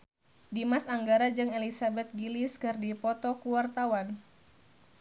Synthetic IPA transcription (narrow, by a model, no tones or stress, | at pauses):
dimasaŋɡaɾad͡ʒɨŋelisabɛt̪̚ɡiliskɨrdipɔt̪ɔkuwart̪awan